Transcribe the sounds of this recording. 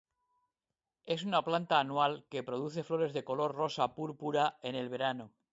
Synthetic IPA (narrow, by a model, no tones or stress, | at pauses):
e̞s̬unaplant̪aːnwalke̞pɾo̞ð̞uθe̞flo̞ɾe̞zðe̞ko̞lo̞rro̞sapuɾpuɾae̞ne̞lβ̞e̞ɾano